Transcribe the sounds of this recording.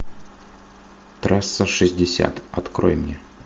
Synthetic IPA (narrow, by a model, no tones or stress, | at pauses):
t̪ɾasːəʂɨzʲdʲɪsʲa̰t̪ɐt̪kɾʔo̰jɪmnʲe